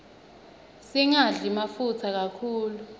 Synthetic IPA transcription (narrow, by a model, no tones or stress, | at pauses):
siŋaɮimafut͡sʰak̬akʰuːlu